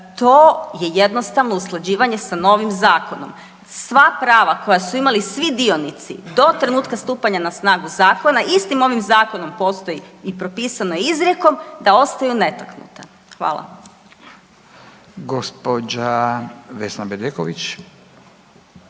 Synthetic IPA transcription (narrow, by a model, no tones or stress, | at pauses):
t̪o̞je̞jed̪no̞st̪aʋnouslˠad͡ʑiːʋaɲe̞sano̞ːʋimzaːko̞no̞̰m | sʋapɾaːʋako̞jasuimalisʋid̪io̞nit̪sḭd̪o̞t̪ɾe̞nuːt̪kast̪uːpaɲanasnaːɡuzaːko̞naʔist̪imo̞ʋimzaːko̞no̞mpo̞ːst̪o̞jiipɾo̞piːsano̞jeizɾjeko̞md̪ao̞st̪ajune̞t̪aknṵt̪a | xʋa̰ːlˠa̰ | ɡospod͡ʒaʋesnabed̪ekoʋit͡ʃ